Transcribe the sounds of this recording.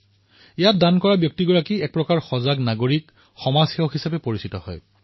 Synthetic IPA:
ɛjat̚dankɔɹabjok̚tiɡɔɹakiɛk̚pɹɔkaɹxɔzaɡnaɡoɹik | xɔmazxɛwxisapɛpoɹisitɔhɔ̰j

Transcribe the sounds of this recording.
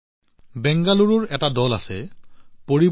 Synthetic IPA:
bɛŋɡaluɹʊɹɛtadɔla̰sɛpoɹib

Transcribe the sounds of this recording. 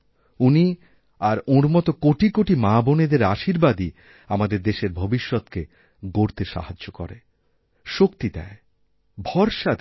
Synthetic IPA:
uni | aɾoɽmɔt̪okoʈikoʈimãboned̪eɾaʃiɾbad̪i | amad̪eɾd̪eʃeɾbʱobiʃːot̪ke | ɡoɾt̪eʃa̰ɦad͡ʒːokɔ̰ɾḛ | ʃokt̪id̪ɛ̰e | bʱɔɾʃad̪

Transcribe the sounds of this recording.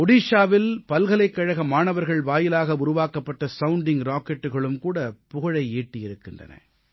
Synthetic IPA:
ɔɽiːʂaːʋɪlpɐlɣɐlɐɪkːɐɻɐɣɐmaːnɐʋɐɾɣɐɭʋaːjɪlaːɣɐʊɾʊʋaːkːɐpːɐʈːɐsɐwʊɳɖɪŋɾaːkɛʈːɯɣɐɭɯmkuːɽɐpʊɣɐɻɐɪeːʈːɪjɪɾɯkːɪndrɐ̰nɐ̰

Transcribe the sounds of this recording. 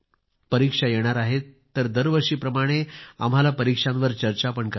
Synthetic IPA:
pəɾikʂajeɽ̃aɾaɦet̪ːəɾd̪əɾʋəɾʂiːpɾəmaɽ̃ea̰m̤ɦalapəɾikʂãnʋəɾt͡ɕəɾt͡ɕapəɳkə

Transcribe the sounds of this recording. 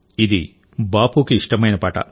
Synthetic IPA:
id̪i | baːpukiiʂʈɐmɐjnɐpaːʈɐ̰

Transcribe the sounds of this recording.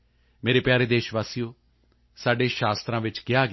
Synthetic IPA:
meːɾeːpjaːɾeːd̪eːʃʋaːsijõː | saːɖeːʃaːst̪ɾãːʋɪt͡ʃkɪaːɡ

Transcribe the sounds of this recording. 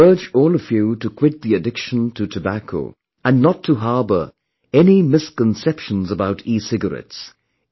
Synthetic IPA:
ɜ˞d͡ʒɔlˠəfjʉɾɨkʰw̥ɪt̪̚ðiɨdɪkʃə̃n̩tʰɨtʰɨbækʰo̰ʊ | ɨ̃nːətʰəɦɑɹbə˞ | ɛnimɪskə̃n̩sɛpʃə̃n̩zəbaʊɾisɪɡə˞ɛ̰ts

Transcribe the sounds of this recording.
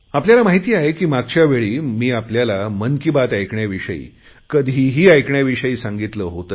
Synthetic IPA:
apljalamaɦit̪iːaɦekiːmaɡ̚t͡ɕjaʋeɭiːmiːapljalamənkibat̪ajkɳjaʋiʂə̰ḭː | kəd̪ʱiːɦiːajkɳjaʋiʂəiːsãŋɡit̪ləːɦot̪ə

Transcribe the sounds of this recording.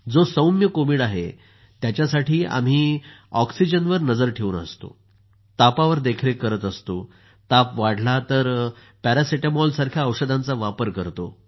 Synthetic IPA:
d͡zosəwmjəkomiːɽaɦḛ | t̪jat͡ɕjasaʈʰiːa̰m̤iːɔksid͡ʑənʋəɾnəd͡zəɾʈʰeunə̰st̪o̰ | t̪apaʋəɾd̪ekʰɾekəɾət̪əst̪o | t̪apʋaɽ̤ʱlat̪əɾ | pæɾasiʈamɔlsaɾkʰjaəwɕəd̪ʱãnt͡saʋapəɾkəɾt̪o̰

